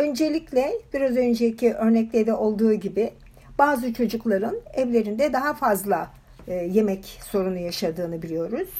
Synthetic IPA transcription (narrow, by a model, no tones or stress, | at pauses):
ø̞nd͡ʒe̞lʲiclʲɛb̥iɾazø̞nd͡ʒeicʰiʔø̞ɾnɛclʲed̪ɛʔo̞lˠd̪uːɟibɪ | b̥aːzɯt͡ʃʰo̞d͡ʒuklˠaɾɯnɛvlʲe̞ɾind̪ɛd̪aɦafazlˠa | je̞mɛcso̞ɾunujaʃad̪ɯːnɯbilʲijo̞ɾuz̥